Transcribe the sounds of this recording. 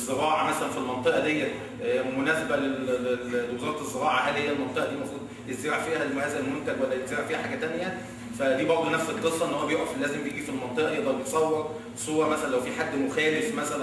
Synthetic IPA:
zːeɾˤɑːʕɑmæsælænfilmɑnt̪ˤeʔɑd̪ejːæ | monæːsebæle | ewezɑːɾˤɑezːeɾɑːʕɑʔælejːælmɑnt̪ˤeʔɑd̪iːmɑxuːt̪ˤjezeɾeʕfiːhælmohæzælmont̪æd͡ʒwælːæjet̪zeɾaʕfiːhæħaːɡæt̪ænjæ | fæd̪iːbɑɾˤd̪ˤonæfselqesˤːɑʔenːhowæbejoʔæflæːzembejeɡifilmɑnt̪ˤeʔɑʔd̪ɑlbet̪sˤɑwːɑɾˤ | sˤoːɑmæsælænlːæwfiːħad̪ːmoxæːlefmæsælæ

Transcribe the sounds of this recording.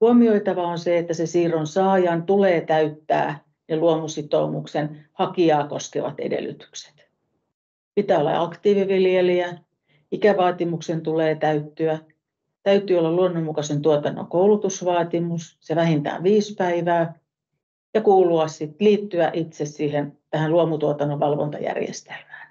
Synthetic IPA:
uomioit̪ɑʋɑonseet̪ːæsesiːronsɑːjɑnt̪uleːt̪æyt̪ːæ̰ː | neluomusit̪o̰umuksenhɑkiɑːko̰skḛʋɑ̰t̪ḛdḛlːy̰t̪y̥kse̥t̪ | pit̪æːolːɑ̰ɑkt̪iːʋiʋiljeliæ | ikæʋɑːt̪imuksent̪uleːt̪æyt̪ːyæ | t̪æyt̪ːˑyːolːɑlluonːommukɑsent̪uot̪ɑnːo̰koulut̪usʋɑːt̪imusseʋæhint̪æ̰ːʋʋiːspæiʋæː | jɑkuːluɑssit̪liːt̪ːyæʔit̪sessiːhent̪æhæluomut̪uot̪ɑnːoʋʋɑlʋo̰nt̪ɑjæ̰rjḛst̪e̥lmæ̥ːn

